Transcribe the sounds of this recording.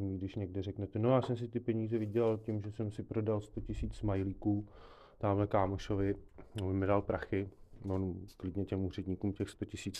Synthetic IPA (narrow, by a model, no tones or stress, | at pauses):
ɲiɡdɪʃɲɛɡdɛrɛknɛt̪ɛno̞jaːsɛms̬ɪt̪ɪpɛɲiːzɛvɪɟɛlalcɪmʒɛsɛmsɪpɾo̞dalst̪o̞cɪsiːt͡smajlikuː | t̪aːmlɛkaːmoʃovɪobɪmɪdalpɾaxɪvonklɪdɲɛcɛmuːrɛdɲiːkuːmcɛxst̪o̞cɪsiːt͡s